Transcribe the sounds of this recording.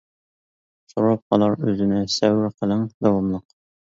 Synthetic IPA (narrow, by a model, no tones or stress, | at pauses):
soɾɑp̚ɒlˠɑɾʉzɘ̆næsæwɘɾqɤ̆lˠɤɴd̪ɒwɑmlˠɤq